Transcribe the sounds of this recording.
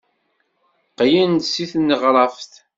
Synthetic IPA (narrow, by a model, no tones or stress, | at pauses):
qjənd̪siθnːəʁɾˤɑfθ